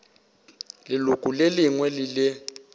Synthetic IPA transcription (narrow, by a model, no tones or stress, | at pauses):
lɪlukʼuleliŋwɛlɪlɪ